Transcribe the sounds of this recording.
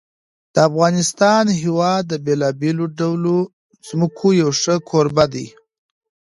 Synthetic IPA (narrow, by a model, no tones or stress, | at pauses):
d̪̥əafɣɑnɪst̪ɑnɦɪwɑd̪ːəbelɑbeloɖawlo | z̥mʊkʰojawʂəkʰoɾbad̪ij